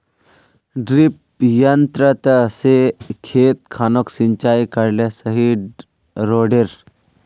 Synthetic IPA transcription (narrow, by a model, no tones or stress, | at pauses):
ɖɾip | jənt̪ɾət̪əsekʰeːt̪̚kʰaːnoksiɲt͡ʃaːikəɾlesəɦiɖ | ɾoːɖeɾ